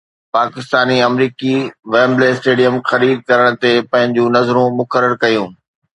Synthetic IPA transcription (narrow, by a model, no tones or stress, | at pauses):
paːkɪst̪aːniɐmɾiːkiʋeːmleːsʈeːɖijəmxɐɾiːd̪̚kɐɾəɽ̃t̪epɐ̃ɦɪ̃ɲd͡ʑũːnɐzɾũmʊkəɾəɾkɐjũː